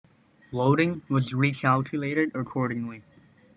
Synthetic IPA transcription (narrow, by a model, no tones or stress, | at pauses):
loʊɾɪ̃ŋwʌzɹikʰælˠkʰjɨleɪɾɨɾəkʰɔɹɾɪ̃ŋli